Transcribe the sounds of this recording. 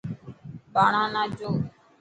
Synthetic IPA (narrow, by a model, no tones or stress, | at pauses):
ɓaːɳãːnãːd͡ʒoː